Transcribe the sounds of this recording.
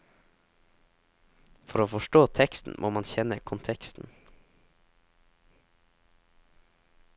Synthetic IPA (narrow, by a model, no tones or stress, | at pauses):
fɔɾoːfɔʃʈoːt̪ʰɛkst̪n̩mʔo̰ːmɑnçɛnəkʰʊnt̪ʰɛkst̪n̩